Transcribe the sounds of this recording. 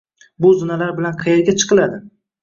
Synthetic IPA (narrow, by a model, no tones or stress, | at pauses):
bʊzʊnalaɾbɪlanqʰɑjeɾɡʲat͡ʃʰɨ̥qʰɨlad̪ɪ